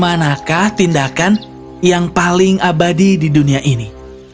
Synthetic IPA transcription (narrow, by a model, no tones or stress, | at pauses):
manakaht̪indakan | jaŋpalɪŋabadididuniaʔini